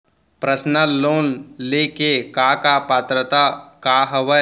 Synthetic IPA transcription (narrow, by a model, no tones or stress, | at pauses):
pɾəsnəloːnlekekaːkapaːt̪ɾət̪akaɦɐʋə